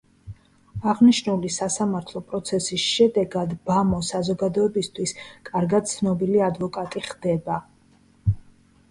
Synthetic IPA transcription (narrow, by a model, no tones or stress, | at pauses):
aʁniʃnulisasamaɾt̪ʰlˠɔpʼɾɔt̪sʰɛsisʃɛd̪ɛɡad̪bamɔsazɔɡad̪ɔɛbist̪ʰwiskʼaɾɡad̪̥̚t̪sʰnɔbiliad̪vɔkʼat̪ʼiχd̪ɛba